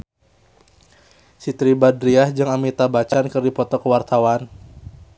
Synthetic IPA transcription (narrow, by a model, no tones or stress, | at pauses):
sit̪ɾibadɾiahd͡ʒɨŋamit̪abat͡ʃankɨrdipɔt̪ɔkəwart̪awan